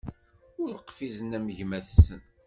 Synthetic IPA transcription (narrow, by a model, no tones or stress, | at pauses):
ʊɾəqːfizənæməʝmæθsən